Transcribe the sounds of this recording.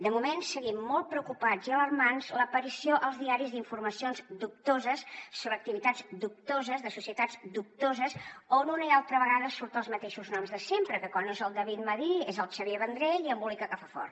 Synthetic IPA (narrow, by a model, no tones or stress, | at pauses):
d̪əmumensəɣimːɔlˠt̪̚pɾəukupaziələrmanzləpəɾisioʔəlˠzðiaɾizðiɱfuɾməsionzd̪up̚t̪ozəsːoβɾək̚t̪iβit̪ad͡zd̪up̚t̪ozəzðəsusiət̪ad͡zd̪up̚t̪ozəsonunəialˠt̪ɾəβəɣaðəsuɾt̪əlˠzmət̪eʃuznɔmzðəsempɾəkəkwanːozəlˠd̪əβit̪məðiezəlˠt͡ʃəβjeβənd̪ɾeʎiəmbulikəkəfafɔ̰rt̪